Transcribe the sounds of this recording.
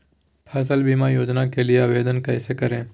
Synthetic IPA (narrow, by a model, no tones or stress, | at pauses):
pʰɐs̬əlbimajoːd͡ʒnakelieɐʋeːd̪ənkɐɪsekɐɾẽː